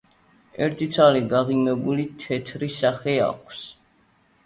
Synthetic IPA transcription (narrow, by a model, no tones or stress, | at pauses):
ɛɾt̪ʰit̪sʰaliɡaʁimɛbulit̪ʰɛt̪ʰɾisaχɛa̰kʷʰs